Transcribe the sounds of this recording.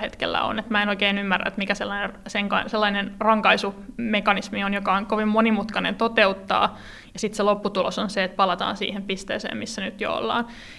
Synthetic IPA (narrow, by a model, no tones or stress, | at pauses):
het̪kḛlːæ̰o̰net̪mæenoikeːnymːærːæ̰et̪mikæselːɑinerseŋkɑselːɑinenrɑŋkɑisumekɑnismionjokɑoŋkoʋimmonimut̪kɑnḛnt̪ot̪eut̪ːɑ̰ː | jɑsit̪selopːut̪ulosonseet̪̚pɑlɑt̪ɑ̰ːnsḭːhempist̪ḛːsḛːmmisːænyt̪jo̰o̰lːɑ̰ːn